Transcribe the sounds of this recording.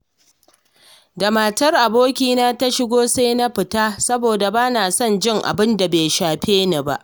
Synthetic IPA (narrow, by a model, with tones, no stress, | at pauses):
da˨maː˨tɐ˦rʔa˨boː˦kʲiː˦naː˦ta˦ʃɪ˦ɡʷoː˦sa˦jna˦ɸɪ˨taː˦sɐ˦boː˨da˨baː˦naː˨sɔ˦˨nd͡ʒɪ˦ŋʔa̰˨bɪ˦nda˨beː˨jʃaː˨ɸeː˦na˨ba̰˦ʔ